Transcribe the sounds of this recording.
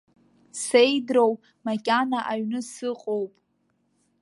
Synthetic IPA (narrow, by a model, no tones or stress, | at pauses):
sejdrow | makʲʼanaʔaɥnɨsɨqʼowpʼ